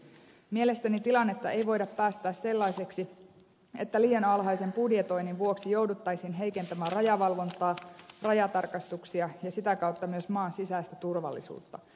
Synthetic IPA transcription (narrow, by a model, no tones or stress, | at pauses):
miele̞st̪ænit̪ilɑnːe̞t̪ːɑe̞jʋo̞jdɑpːæːst̪æːsse̞lːɑjse̞ksi | e̞t̪ːæliːjɑnɑlɦɑjse̞mpudjet̪o̞jninʋuo̞ksijo̞wdut̪ːɑjsinɦe̞jke̞nt̪æmæːrɑjɑʋɑlʋo̞nt̪ˑɑːrɑjɑt̪ɑrkɑst̪uksiɑjɑsit̪ækɑwt̪ːɑmyøsmɑːnsisæːst̪æt̪urʋɑ̰lːḭsṵːt̪ːɑ